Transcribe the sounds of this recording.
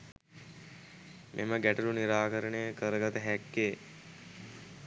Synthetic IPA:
mʔeməɡæʈuluniɾaːkəɾənejəkəɾəɡat̪əɦækːeː

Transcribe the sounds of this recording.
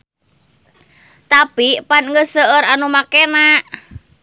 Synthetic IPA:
t̪apipanŋəsəəɾanumakenaʔ

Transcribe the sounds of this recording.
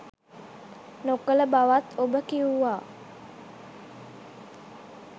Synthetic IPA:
nokələbawat̪obəkiuwa

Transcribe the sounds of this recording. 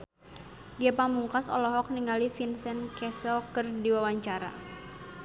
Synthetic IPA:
ɡiapamuŋkasɔ̰lɔɦɔk̚niŋalifinsɛnkɛsɔkərdiwawaɲt͡ʃaɾa̰

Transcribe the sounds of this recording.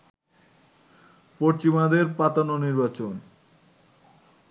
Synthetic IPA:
pot͡ɕimad̪eɾpat̪anoniɾbat͡ɕon

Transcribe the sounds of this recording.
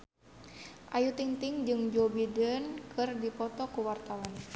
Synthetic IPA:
ʔajut̪iŋt̪iŋd͡ʒɨŋd͡ʒobidənkʰɨrdipɔt̪ɔkuwart̪awan

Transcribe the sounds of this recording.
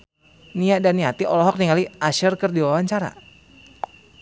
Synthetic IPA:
niaʔdanːiat̪iʔɔlɔɦɔk̚niŋaliaʃərkərdiwawaɲt͡ʃaɾa̰

